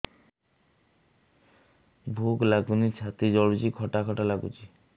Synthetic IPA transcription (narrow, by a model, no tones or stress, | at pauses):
bʱuɡlaɡunit͡ʃʰat̪id͡ʒɔɽud͡ʒikʰɔʈakʰɔʈalaɡṵt͡ʃi